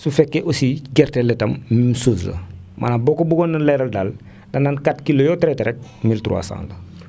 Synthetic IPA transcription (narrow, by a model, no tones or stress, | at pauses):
sufɛkːeʔosiɡɛrteletɐmmimsuːslɐ̰mʔa̰nabokobuɡonːɐleɾɐldal | dɐnːankatkilojoːtɾeteɾɛk̚miltɾṵa̰sã̰ːnlə